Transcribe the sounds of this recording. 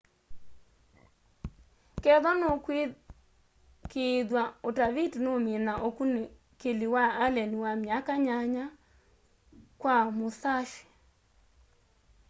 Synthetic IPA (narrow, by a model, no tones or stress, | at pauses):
kɛðɔnokwe | keðwaotavidnomenaʔokune | keliwaːlɛniwamjakaɲaɲa | kwamoθaʃi̥